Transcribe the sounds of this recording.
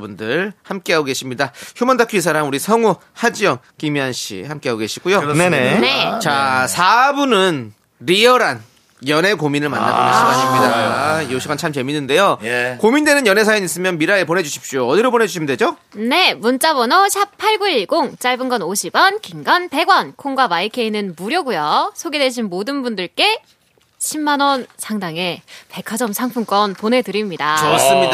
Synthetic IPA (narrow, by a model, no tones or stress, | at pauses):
bundɯɭhamk͈eɦaɡoɡe̞ɕʰimɲidaçjumʌndakʰuisʰaɾamuɾisʰʌŋu | had͡ʑiʌŋkimiɦanɕʰḭhamk͈eɦaɡoɡeɕʰi̥ɡujoenet͡ɕasʰabunɯn | ɾiʌɾan | jʌne̞kominɯɭma̰nːa̰oma̰s͈mɦaɕʰimɲidaioɕʰiɡant͡ɕʰamt͡ɕe̞minːɯnde̞jokominde̞nɯnjʌne̞sʰajʌɲis͈ɯmjʌnmiɾaepone̞d͡ʑuɕʰi̥p̚ɕ͈ioʌdiɾobone̞d͡ʑuɕʰimɯnde̞d͡ʑo | ne̞munt͡ɕ͈abʌnʌɕʰip̚pʰːaɭɡuiɭɡoŋt͡ɕ͈aɭbɯnɡʌnoɕʰibʌnkiŋɡanpe̞ɡwʌnkʰoŋɡwabaikʰe̞inɯnmuɾjʌɡujʌsʰoɡedwe̞ɕ̬ʰinmodɯnbundɯɭk͈e̞ | ɕʰimːanwʌnsʰaŋdaŋe̞pe̞kʰad͡ʑʌmsʰaŋpʰunk͈ʌnpone̞dɯɾimɲidat͡ɕoʌs͈ɯmid